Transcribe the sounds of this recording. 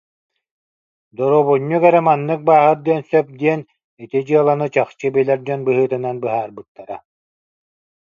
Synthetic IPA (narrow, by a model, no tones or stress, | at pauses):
d̪ɔɾoβuɲːuɡɛɾɛmanːɯk̚baːɦɯt̚d̪iɛnsœp̚d̪iɛn | it̪id͡ʑɯɐlˠanɯt͡ɕaχt͡ɕɯbilʲɛɾd͡ʑɔnbɯɦɯːt̪ɯnanbɯɦaːɾbɯt̪ːaɾa